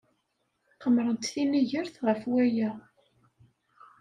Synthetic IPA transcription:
qəmːɾənt̪θiniʝəɾθʁəfwæjæ

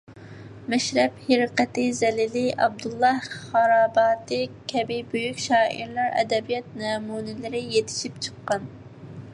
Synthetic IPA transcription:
mɛʃɾɛpheɾɨqɛt̪ɪzɛlɪlɪʔɑb̚d̪ulˠːɑhχɑɾɑːbɑːt̪ɨkʲʰɛbɪbøjykʲʃɑːʔḭɾlˠɑɾɛ̰d̪ɛbijɛt̪̚nɛmunɪlɪɾɪjet̪ʰɪ̥ʃip̚t͡ʃʰə̥qːɑn

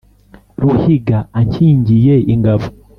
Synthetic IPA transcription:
ɾuhiɡaːɲcʰiːɲɟijeiŋɡavu

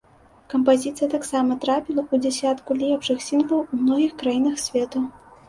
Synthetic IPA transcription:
kɐmpazʲit̪sɨjɐt̪aksamɐt̪ɾapʲilˠɐud͡zʲɛsʲat̪kulʲipʂɨxsʲinvɐwumnɔɣʲixkɾajinɐxsʲvʲɛt̪u

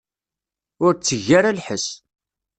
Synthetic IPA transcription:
ʊɾt͡sːəʝːaɾalħəs

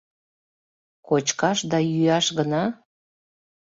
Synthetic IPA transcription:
kot͡ɕkɑʃd̪ɑjyɑʃɣənɑ

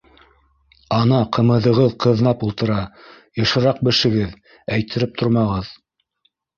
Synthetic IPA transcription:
ɑnɑqʰɤ̆mɤ̆ðɤ̆ʁɤðqʰɤ̆ðnɑpulˠt̪ɤ̆ɾɑ | jɤ̆ʃɤ̆ɾɑq̚bɘ̆ʃɘ̆ɡɘð | æjt̪ʰɘ̆ɾɘp̚t̪ʰoɾmɑʁɤð

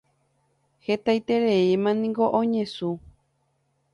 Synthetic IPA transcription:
het̪ajt̪eɾeimãnĩŋɡo̞ʔõɲẽsu

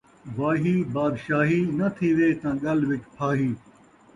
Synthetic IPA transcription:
ʋaːɦiːbaːd̪ʃaːɦiːnɐt̪ʰiʋeːt̪ɐ̃ɠɐlʋɪt͡ʃpʰaːɦiː

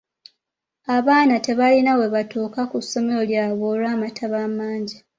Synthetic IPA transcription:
aβaːnate̞βalinawe̞βatuːkakusːo̞me̞ɾo̞ljaːβo̞ːlwaːmatʰaβamaːɲɟi

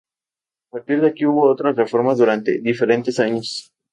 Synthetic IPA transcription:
apaɾt̪iɾðeakiuβo̞ot̪ɾasrefo̞ɾmazðuɾant̪e̞̰ðife̞ɾe̞nt̪e̞saɲos

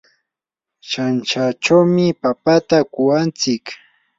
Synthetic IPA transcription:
ʃant͡ʃat͡ʃawmɪpapat̪akʊwant͡sɪk

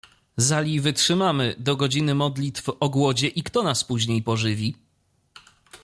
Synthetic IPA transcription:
zalʲivɘtʂɘmamɘd̪ɔɡɔd͡ʑinɘmɔd̪lʲit̪fɔɡwɔd͡ʑɛʔikt̪ɔnaspuʑɲejpɔʐɘvʲi

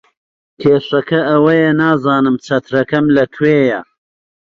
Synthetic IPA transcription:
kʰeːʂɐkʰɐɐwɐjɐnaːzɑːnɨmt͡sʰɐt̪ʰɾɐkɐmlɐt̪ʰweːjɐ̰

